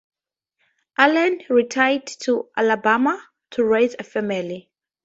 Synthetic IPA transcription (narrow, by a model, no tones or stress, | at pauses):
ʔalãnɹitʰajdtʰuʔalabama | tʰuɹejzəfɛmɛli